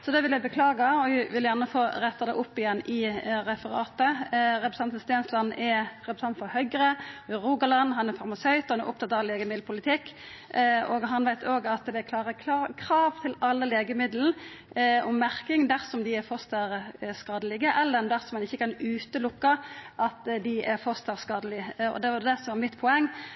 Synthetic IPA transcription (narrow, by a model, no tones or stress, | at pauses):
sɔd̪ɛʋɪljæɪbəkʰlɑːɡɑɔɪʋɪljæʁnəfoːɾɛt̪ːɑd̪ɛ̰ʔʊpːɪjɛnːʔɪɾɛfəɾɑ̰ːt̪əɾɛpɾəsɑnt̪nst̪eːnslɑnːɛɾɛpɾəsɑnt̪fɔhœʏɡəɾəɾuːɡɑlɑnːɦɑnɛfɑɾmɑsœʏt̪ɑnɛ̰ɾʔʊpt̪ɑt̪ːɑʋleːɡəmɪd̪l̩pʰʊlɪt̪ʰɪkː | oːɡɦɑnʋæɪt̪ʰoːɡɑt̪d̪ɛækʰlɑːʁəkʰlɑkʰɾɑːʋt̪ʰɪlɑlːəleːɡəmɪd̪ln̩ | ɔmːæɾkɪŋd̪æɾsɔmd̪ɪɛɾfɔst̪əɾskɑːd̪əlɪɡəʔɛlːənd̪æɾsɔmːɑnɪçːəkɑnʉːt̪əlʊkːɑʔɑt̪d̪ɪʔɛɾfɔst̪əɾskɑːd̪əlɪɔ̰d̪ɛʋɑd̪ɛsɔmʋɑɾmɪt̪pʰɔɛŋː